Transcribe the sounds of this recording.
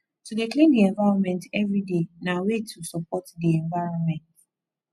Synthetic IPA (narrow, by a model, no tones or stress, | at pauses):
tʰudeklĩndiɛ̃ɱvaɾɔnmɛ̃ntɛvɹidenawetʰusɔpɔtdiɛ̃ɱvaɹɔ̃nmɛ̃nt